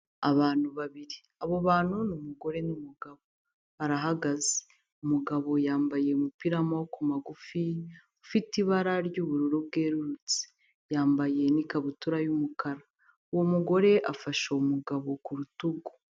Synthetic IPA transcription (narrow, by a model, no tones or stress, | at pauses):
aβaːn̥huβaβiɾi | aβo̞βaːn̥hunumuɡo̞ɾe̞numuɡaβo̞ | βaɾaɦaɡaze̥ | umuɡaβo̞jaːmbaje̞umupiɾamawokumaɡufi | ufitiβaɾaɾɟuβuɾuɾob̚ɡe̞ːɾuɾut͡si̥ | jaːmbaje̞nikaβutuɾajumukaɾa | uwomuɡo̞ɾe̞ʔafaʃoumuɡaβo̞kuɾutuɡo̥